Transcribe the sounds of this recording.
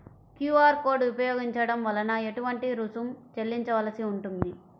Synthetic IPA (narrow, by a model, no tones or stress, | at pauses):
kjuːaːɾkoːɾɖupɐjoːɡiɲt͡ʃɐɽɐmʋɐlɐnɐe̞ʈuʋɐɳʈiɾusumt͡ʃe̞lːiɲt͡ʃɐʋɐlɐsiuɳʈund̪i